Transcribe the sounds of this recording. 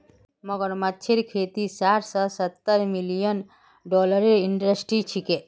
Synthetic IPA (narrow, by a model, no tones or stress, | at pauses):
mɔɡəɾmatːt͡ʃʰiɾkʰeːt̪isaːʈsɔsət̪ːəɾmilijən | ɖɔːləɾeɾiɳɖɾəsʈɾit͡ʃʰike